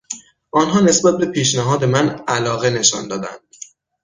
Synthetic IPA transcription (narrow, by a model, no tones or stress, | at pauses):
ʔɒːnɦɒːne̞sbæt̪̚be̞pʰiːʃnæɦɒːd̪e̞mænælɒːɣe̞ne̞ʃɒ̰nd̪ɒːd̪æ̰nd̪̥